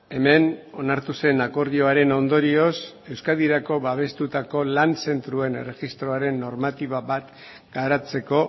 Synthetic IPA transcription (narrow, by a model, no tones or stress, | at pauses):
e̞me̞no̞naɾt̪use̞nako̞ɾðio̞aɾe̞no̞nd̪o̞ɾio̞s | e̞wskaðiɾako̞βaβ̞e̞st̪ut̪ako̞lanse̞nt̪ɾue̞nere̞ɣist̪ɾo̞aɾe̞nːo̞ɾmat̪iβaβat̪ | ɡ̥aɾat͡se̞ko̞